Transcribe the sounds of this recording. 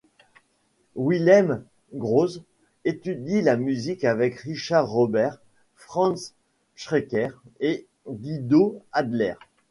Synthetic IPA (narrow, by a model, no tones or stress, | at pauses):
wiljam | ɡʁoz | et̪yd̪ilamyzikavɛkʁiʃaʁːɔbɛʁ | fχɑ̃ns | ʃχekʲɛʁe | ɡʲid̪oad̪lɛ̰ʁ